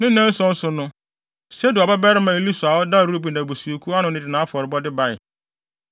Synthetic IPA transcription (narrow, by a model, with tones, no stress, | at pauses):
nɪ̃˦nɛ̃˦n̩˦sʊ̃˦n̩˦sʊ˨nʊ̃˦ | sɛ˦dɪ˨ɔ˨bɛ˦bɛ˦ɾɪ˦mã˨e˦li˦sʊ˨a˨wɔ˦da˦˨ɾu˦ɾu˦bi˨nã˨bo˨su˨o˨kʰu˦a˦nʊ̃˨˦nɪ̃˨dɪ˨nã˨˦a˦fɔ˨ɾɪ˨bɔ˦dɪ˦ba˨ɪ˨